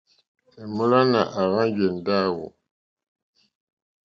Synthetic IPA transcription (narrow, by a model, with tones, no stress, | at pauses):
e˨mu˦la˦na˨ʔa˨ɣa˦n˦ɟe˨n˨da˦˨wo̰˨